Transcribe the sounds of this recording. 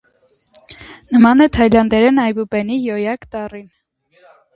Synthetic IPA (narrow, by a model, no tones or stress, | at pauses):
nəmɑnɛt̪ʰɑjlɑnd̪ɛɾɛnɑjbupɛnijɔjɑkt̪ɑrin